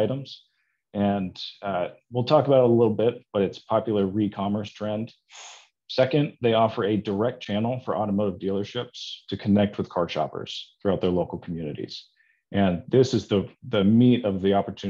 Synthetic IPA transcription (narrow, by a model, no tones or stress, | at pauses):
ɪɾə̃mz̥ | ɨ̃n | wilˠtʰɔkəbaʊɾəlɪɾl̩ˠbɪt̚b̥ʌɾɨtspʰɑpjl̩ˠə˞ɹikʰɑmə˞stʰɹ̥ɛ̃nd̥ | sɛkɨ̃nðeɪɔfə˞ɨdə˞ɛk̚t̚t͡ʃʰænl̩ˠfə˞ʔɔɾəmoʊɾəvdilˠə˞ʃɪpstʰɨkʰɨnɛk̚t̚wɨð̥kʰɑɹdʃɑ̰pə̰˞z̥θɹʉaʊt̪̚ðə˞loʊkl̩ˠkʰm̩jʉnɨɾḭz̥ | ʔɨ̃nðɪsɨzðəðɨmiɾʌvðiɑpə˞tʰʉ